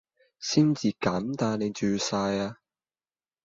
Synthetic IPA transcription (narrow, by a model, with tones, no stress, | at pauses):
siː˥nt͡siː˨˧kaː˨˥mt̪aː˧nne˨˧jt͡ʃyː˨˩saː˧jaː˧